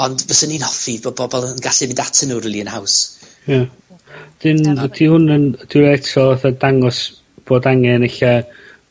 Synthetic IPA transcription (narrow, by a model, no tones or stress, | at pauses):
ɔndvəsəninhɔfibɔbɔbɔlˠəənɡaɬɪmɪndatʰənuːɾəlˠiənhaws | ja | d̥ɪnd̥ihʊnənd̥ɪɾɛtʰɔaθadaŋɔs | b̥oːdaŋɛneɬa